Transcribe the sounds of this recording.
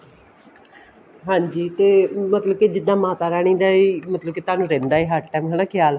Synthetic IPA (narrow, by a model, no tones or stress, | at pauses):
ɦãːɲd͡ʒiːt̪eːmət̪ləb̚kid͡ʒɪd̪ãːmaːt̪aːɾaːɽ̃ĩːd̪aːiːmət̪ləb̚kiːt̪ʊaːnũːɾẽːnd̪aːiːɦaːʈʈɛːmkʰəlãːkʰjaːl